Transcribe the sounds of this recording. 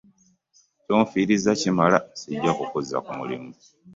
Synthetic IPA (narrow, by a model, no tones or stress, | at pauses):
coːɱfiːɾizacimalasiɟːakukuza̰kumulḭmu